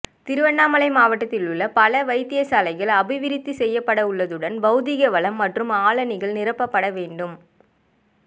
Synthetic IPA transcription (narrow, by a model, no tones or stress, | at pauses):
t̪ɪɾɯʋɐɳːaːmɐlɐɪmaːʋɐʈːɐt̪ːɪlʊɭːɐpɐlɐʋɐɪt̪ːɪjɐsaːlɐɪɣɐɭɐbɪʋɪɾɪt̪ːisɛjːɐpːɐɽɐʊɭːɐðɯɽɐnbɐɯðɪɣɐʋɐɭɐmːɐʈrɯmaːlɐnɪɣɐɭnɪrɐpːɐpːɐɽɐʋeːɳɖɯm